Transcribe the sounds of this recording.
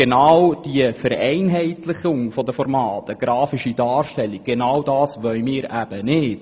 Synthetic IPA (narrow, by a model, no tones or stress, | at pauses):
enɑwd̥iəfəɾɛɪnɦɛɪtlɪχʊŋfɔd̪əfɔɾmɑːt̪əɡ̥ɾɑːfiʃidɑːrʃtɛlːik̚ɡenɑwdɑːsʋœʏmɪːɾæb̥ənɪt